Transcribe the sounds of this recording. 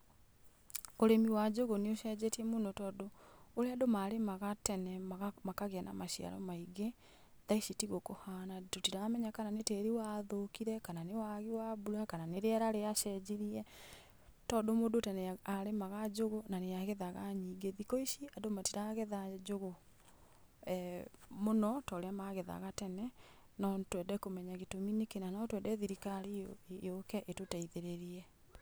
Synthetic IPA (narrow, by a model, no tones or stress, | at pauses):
oɾemiwad͡ʑoɣoneoʃɛd͡ʑetiɛmonotɔːdoːɾeadomaɾemaɣatɛnɛmaamakaɣeana̰maʃia̰ɾɔ̰maiɡe | ðaiʃitiɣokohanadotiɾamɛɲakananeteɾiwaðokiɾɛkananewaɣiwabuɾakananeɾeɛɾaɾeaʃɛd͡ʑiɾiɛ | tɔdomoːdotɛneaɾemaɣad͡ʒoɣonaneaɣɛðaɣaɲiɡeðikɔiʃiadomatiɾaɣɛðad͡ʒoɣo | ɛmonɔtɔɾeamaɣɛða̰ɣatɛnɛ | nɔtwɛndɛkomɛɲaɣetominekenanaɔtwɛndɛðiɾikaɾijokɛʔetotaiðeɾeɾiɛ